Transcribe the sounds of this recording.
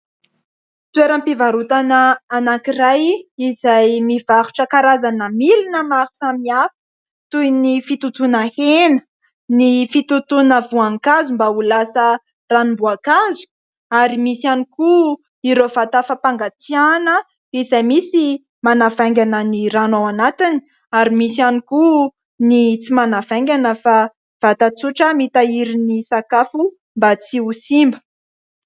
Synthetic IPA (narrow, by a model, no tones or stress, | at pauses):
t̪ueɾəmpivaɾut̪anəːnakiɾajizajmiv̥aɾu̥ʈ͡ʂəkaɾazanəmilinəmaɾu̥samiafi̥ | t̪ujnifit̪ut̪unahenə | nifit̪ut̪unəvuaŋkazumbaulasə | ranumbuakazu̥ | aɾimisaniku | iɾov̥at̪afapaŋɡat͡sianə | izajmisi | manavaŋɡʲanəniɾanowanat̪ini | aɾimisianiku | nit͡simanav̥aŋɡʲanəfa | v̥at̪at͡suʈ͡ʂəmit̪aiɾinisakafu | mbat͡siusimbə